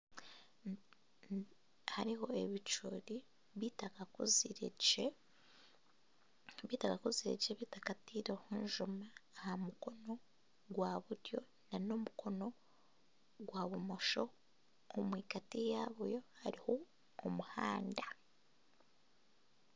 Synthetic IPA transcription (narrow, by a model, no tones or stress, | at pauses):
haɾiɦo̞eβit͡ʃuːɾi | βitakakuziɾee | βiːtakakuziɾḛɟʃeβiːtakatiɾohuːnʒumaːhamuko̞no̞ | ɡwaβuɾjo̞ | nano̞mukʰo̞no̞ | ɡwaːβumo̞ʃo̞ | omwiːkatijaβujo̞ha̰ɾiho̞ː | muha̰ːnda